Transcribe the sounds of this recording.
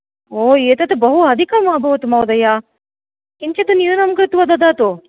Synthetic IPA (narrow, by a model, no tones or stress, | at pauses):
oːeːt̪ɐt̪ubɐɦuɐd̪ʱikɐmaːbʱɐʋɐt̪umɐwd̪ɐja | kint͡ʃɐt̪unjinɐmkɾɪt̪ʋɐd̪ɐd̪aːt̪u